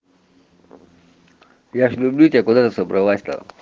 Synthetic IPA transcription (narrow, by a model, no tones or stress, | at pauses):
jaʂlʲublʲut̪ʲakʊd̪at̪əsəbɾʔɐʋasʲt̪ə̰